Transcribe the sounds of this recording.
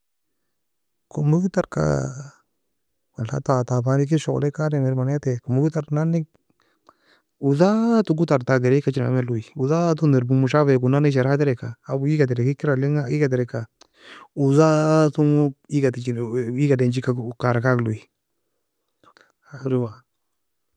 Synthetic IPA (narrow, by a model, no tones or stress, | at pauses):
komuɡut̪aɾka̰ | wala̰t̪at̪abanik̬iʃo̰lekademeɾmanat̪ekomuɡut̪aɾnani | uzatuɡutaɾt̪aɡeɾeikat͡ʃinaa̰mɛluiuzat̪undeɾbumuʃaβekunaniʃ̬eɾat̪ɾɛkaːbuiɡat̪eɾekikiɾaliŋaiɡad̪̬eɾeka | uzat̪uŋiɡatit͡ʃiiɡadend͡ʒikakaɾakaklui | aɾiwa